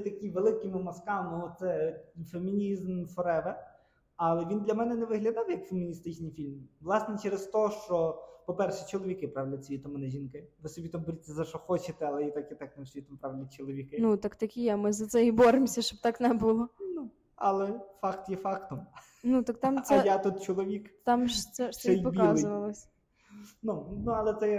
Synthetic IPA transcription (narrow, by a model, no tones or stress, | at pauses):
t̪ɐkʲiʋelˠɪkimʊmɐskɑnɔɔsɛfemʲinʲizmfɔɾɛʋɛ | ɐlˠɛʋʲind̪lʲɐmɛnɛnɛʋɪɦlʲɐd̪ɑwjɐkfemʲinʲist̪ɪt͡ʃnɪjfʲilʲmʋlˠɑsnɛt͡ʃɛɾezt̪ɔʃt͡ʃɔpɔpɛrʃɛt͡ʃɔlˠɔʋʲikɪpɾɑʋʲelʲɐt͡sʲijʲit̪ɔmɐnɛʒʲinkɪʋɪsɔbʲit̪ɐmbɔɾʲit̪ʲːɐzɐʃɔxɔt͡ʃɪt̪ɛɐlˠɛit̪akit̪aknɛʃjit̪ampɾaʋelʲnʲit͡ʃɔlˠɔʋʲikɪnut̪ɑkt̪ɐkʲijɛmɪzɐt̪sɛjibɔɾɪmsʲɐʃt͡ʃɔb̚t̪ɑknɛbulˠɔnu | ɐlˠɛfɑkt̪jɛfɑkt̪ɔm | nut̪ɐkt̪ɑmsjat̪ut̪̚t͡ʃɔlˠɔʋʲikt̪ɑmʒt̪ɛʃɛɛjpɔbʲkiɑzˠeʊʋɐlˠɔsʲ | nunuɐlˠɛt̪sɛ